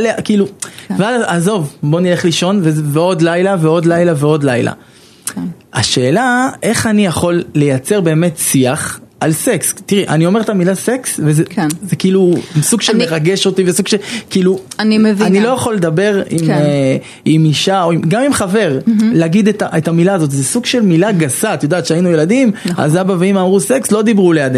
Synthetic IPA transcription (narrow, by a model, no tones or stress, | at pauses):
alekiːluvealazo̞vbo̞nileχliʃo̞nveveo̞d̪lajlaveo̞d̪lajlaveo̞d̪lajla̰ | aʃe̞ːlaʔe̞χanijaχo̞lːe̞jat͡se̞ʁbe̞ːme̞t̪siaχʔalse̞kst̪iʁiʔanio̞me̞ʁt̪amilase̞ksvezezekiilusuɡʃelmeʁaɡe̞ʃo̞t̪ivesuɡʃelkiːlunimevanilo̞jaχo̞lːe̞d̪abe̞ʁim | imiʃaoimɡamimχave̞ʁleaɡid̪et̪aʔet̪amilaːzo̞t̪̬zesuɡʃe̞lmilaɡasat̪jod̪aːt̪ʃeainujelad̪ima̰zabaveimamʁuse̞kslo̞d̪ibʁulejad̪e